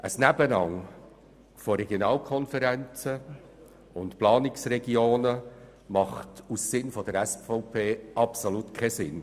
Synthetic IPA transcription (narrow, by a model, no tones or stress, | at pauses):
ʔəsnæbənɑŋ | foɾɛɡjonɑːlkʰɔnfɛɾɛnt͡sə | ʊntplɑːnɪksɾɛɡioːnə | mɑχtusːɪnfɔd̪əɾɛsfɔʊpʰeːʔɑpsoluːtkʰɛsɪn